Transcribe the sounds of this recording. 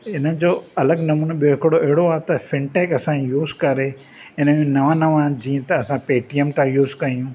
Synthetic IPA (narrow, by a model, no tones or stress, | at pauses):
ɪnəɪ̆d͡ʑoːɐləɡnɐmũːnɓijoɦɪkɪɽoʔɐɦɪɽoaːt̪ɐfɪ̃ɳʈeːkɐsãjuːzkɐɾe | ɪnəmẽnɐʋãnɐʋãːd͡ʑĩːə̃t̪ɐːsãpeːʈiəmt̪ãjuːzkɐijũː